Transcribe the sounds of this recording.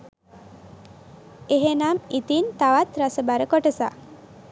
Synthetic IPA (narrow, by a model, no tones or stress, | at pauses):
eɦenamit̪int̪aʋat̪ɾasəbaɾəkoʈəsa̰